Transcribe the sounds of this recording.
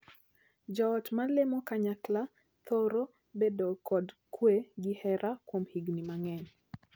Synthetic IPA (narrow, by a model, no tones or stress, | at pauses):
d͡ʒɔːtmalemɔkaɲakla | t̪oɾo | bedokɔdkʰweɡihɛɾʔakwomhiɡnimaŋɛɲ